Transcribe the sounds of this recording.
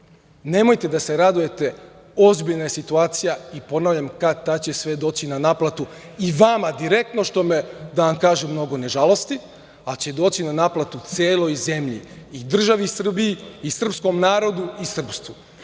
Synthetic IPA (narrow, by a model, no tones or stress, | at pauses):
ne̞mo̞jt̪e̞d̪ase̞ɾad̪uje̞t̪e̞ | o̞zbiʎnajesit̪uaːt̪sijaipo̞naʋʎamkad̪̚t̪at͡ɕe̞sʋe̞d̪o̞ːt͡ɕinanaplˠat̪u | iʋamad̪iɾe̞k̚t̪no̞ʃt̪o̞med̪aʋamkaːʒemːno̞ɡo̞ne̞ʒalˠo̞st̪i | at͡ɕe̞d̪o̞ːt͡ɕinanaplˠat̪ut̪seːlo̞jze̞mʎḭː | d̪r̩ʒaʋisr̩biiːsr̩psko̞mnaːɾo̞d̪uisr̩pst̪u